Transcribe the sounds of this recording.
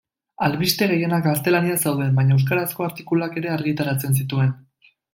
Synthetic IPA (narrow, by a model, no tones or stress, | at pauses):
alβist̪e̞ɣe̞je̞nakɡast̪e̞laniasawðe̞mbaɲaews̬kaɾasko̞aɾt̪ikuloake̞ɾe̞aɾɣit̪aɾat͡se̞ns̬it̪ue̞n